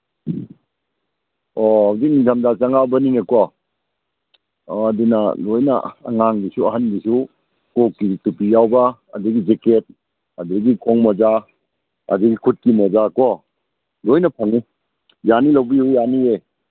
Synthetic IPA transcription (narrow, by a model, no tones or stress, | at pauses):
ɔhawzik̚nidʰamdat͡ʃaŋabɐniŋekɔ | dinɐ̰lojna̰ːŋaŋdisuɐɦandisu | kokːitupijawba̰ːduɡid͡ʒeket̚ | ɐdiɡikʰɔŋmɔza | ɐ̰duɡikʰut̚kimɔzakɔ | lojnɐpʰaŋi | janilawbihujjanie